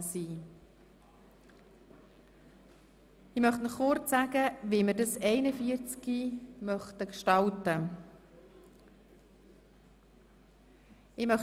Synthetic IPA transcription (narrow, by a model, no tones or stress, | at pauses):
siː | ɪmœχtnəχːʊɾt͡sːæɡəviːmədɑsɛɪnəfiəɾt͡skimœχtəkʃtɑltə | ɪmœχ